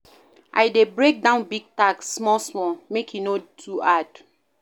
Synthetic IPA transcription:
ʔa̰jdebɹek̚dãʊ̃nbiɡ̚taksːmɔsmɔ̃mekjunotʰuad̥

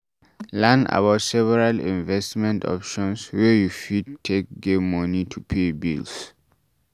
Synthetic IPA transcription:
lãna̰baʊtsɛvɛɹalḭ̃nvɛstmɛ̃ntɔ̰pʃɔ̃nswɛjufidtʰːek̚ɡemɔnitʰupʰebḭls

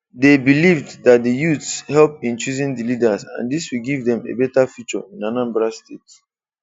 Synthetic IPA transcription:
debilivddat̚dəjutshɛlpĩnt͡ʃuzĩndilidazã̰ndiswilɡivdɛ̃mḛbɛtafjut͡ʃɔ̰ĩnanãmbɹastet

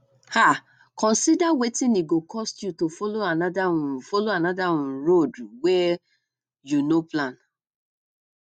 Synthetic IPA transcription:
ha | kɔ̃nsidawetĩniɡokʰɔstjutofoloanadaũfoloanadawũɾoduwɛ | junoplãn

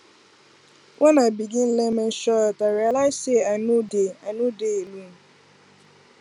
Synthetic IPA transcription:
wʔanabiɡin̩lemen̩ʃɔtaɾialaɪseanudeanudeelun̩

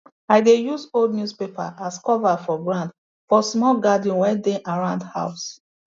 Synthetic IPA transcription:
aɪdejusoldnjuspepa̰ʔaskɔvafɔɡɹãnd | fɔsmɔlɡad̃n̩wɛdĩʔaɹãʊ̃ndha̰ʊs

